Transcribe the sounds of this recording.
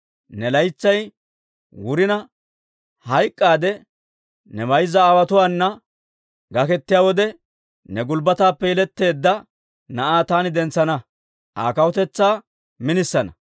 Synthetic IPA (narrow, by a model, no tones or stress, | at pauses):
nɛlɐjt͡sːɐj | wʊɾɪnɐ | hɐjkʼːaːd̪ɛ | nɛbɐjzːɐːwɐt̪ʊwaːnːɐ | ɡɐkɛt̪ːɪjaːwɔd̪ɛ | nɛɡʊlbɐt̪aːpːɛɪlɛt̪ːe̞ːd̪ːɐ | nɐʔaːt̪aːnɪd̪ɛnt͡sːɐnɐ | ʔa̰ːkɐwɔt̪ɛt͡sːaː | mɪnɪsːɐnɐ